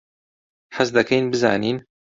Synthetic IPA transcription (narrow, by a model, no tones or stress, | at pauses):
ħas̬d̪ɐkʰɛjnbɨza̰ːniːn